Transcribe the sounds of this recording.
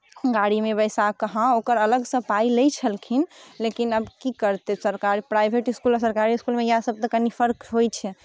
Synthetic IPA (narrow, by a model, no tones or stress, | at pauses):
ɡaɽimebəjsakəɦãokəɾələɡsəpailəjt͡ʃʰəlkʰinlekinəbkikəɾt̪esəɾkaɾipɾajbʱeʈiskulɔsəɾkaɾiskulmejɦãsəb̚t̪əkənipʰəɾkɦojt͡ʃʰɛ